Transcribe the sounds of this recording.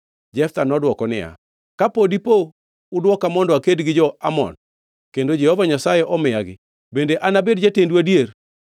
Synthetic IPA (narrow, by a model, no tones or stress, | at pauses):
d͡ʒɛft̪anɔdwɔkɔnɪ̰ja̰ | kapodipo | ʊdwɔkamɔndɔakedɡɪd͡ʒɔamɔ̰n | kendod͡ʒɛhovaɲasajeʔɔmɪjaɡɪ̰ | bendeʔanabedd͡ʒatendwadjer